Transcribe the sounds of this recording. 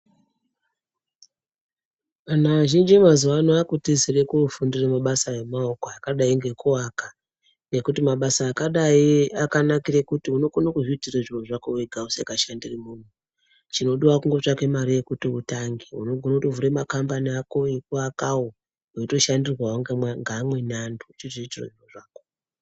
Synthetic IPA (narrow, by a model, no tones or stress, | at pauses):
anaaʒind͡ʒimazuʋanoakutizirekufundiremaɓasaemaokoakaɗaiŋɡe̞kuwaka | ŋɡe̞kutimaɓasaːkaɗaiakanakirekutiuno̞ɡʱonokuʐiitireʐioʐakoweɡʱausekaʃandirimuːnu | t͡ʃino̞ɗuwakuŋɡo̞t͡ʃake̞maɾije̞kutiutaŋɡiṵno̞ɡʱonotovuɾemakambaniako̞ekuakawo | oito̞ʃandirwaɦoŋɡŋɡaːmwe̞nandut͡ʃiʐiitiro̰ʐioʐaːko